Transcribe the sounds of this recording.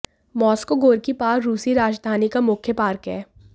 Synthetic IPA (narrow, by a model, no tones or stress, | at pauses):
mɔːskoɡoːɾkipaːɾɾuːsiɾaːd͡ʒd̪ʱaːnikamʊkʰːjəpaːɾkɦɛ̰ː